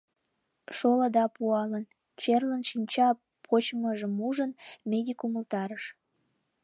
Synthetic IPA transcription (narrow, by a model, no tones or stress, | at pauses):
ʃoləd̪ɑpuɑlən | t͡ɕerlənʃinʲt͡ɕɑ | pʰot͡ɕməʒəmuʒənmed̪ʲikuməlt̪ɑɾəʃ